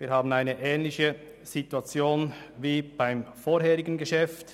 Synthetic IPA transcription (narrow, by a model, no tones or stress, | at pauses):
viːɐhaːbn̩aɪnəʔɛːnlɪçə | z̥ituat͡sjoːnviːb̥aɪmfoːɾɦɛːɾɪɡənɡəʃɛft